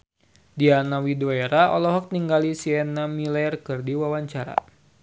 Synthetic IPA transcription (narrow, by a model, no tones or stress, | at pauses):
dianawidoeɾaɔ̰lɔɦɔk̚niŋɡalisiɛnamilaɛrkɨrdiwawaɲt͡ʃaɾa̰